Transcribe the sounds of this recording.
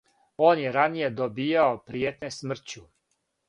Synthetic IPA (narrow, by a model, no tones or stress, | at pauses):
o̞ːnjeɾanije̞d̪obiːjaopɾijet̪nesmr̩t͡ɕu